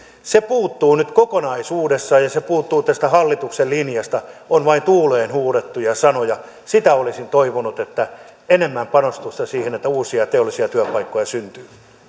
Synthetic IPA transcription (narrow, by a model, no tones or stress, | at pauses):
sepuːt̪ːuːnyt̪kokonɑisuːdesːɑːjɑsepuːt̪ːuːt̪æst̪æhɑlːit̪uksellinjɑst̪ɑonʋɑint̪uːleːnhuːret̪ːujɑsɑnojɑ | sit̪æolisint̪oiʋonut̪et̪ːæ | enemːæmpɑnost̪ust̪ɑsiːhenet̪ːæuːsiɑt̪eolːˑisiɑt̪yæpɑikːojɑsynt̪yː